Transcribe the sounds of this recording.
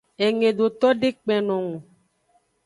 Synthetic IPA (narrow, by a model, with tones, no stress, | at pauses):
e˨ŋẽ˨ɖo˨t̪ɔ˦ɖe˦k͡pɛ̃˨nɔ̃˨ŋũ˨